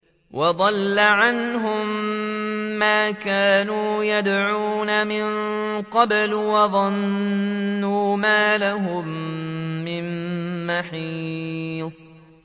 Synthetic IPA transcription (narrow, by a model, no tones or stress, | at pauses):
wʔɑd̪ˤɑlːaʕanɦʊmː | aːkaːnuːjad̪ʕuːnamɪn | qɑblwɑðˤɑnː | uːmaːlaɦʊmː | ɪmːaħi | ðˤ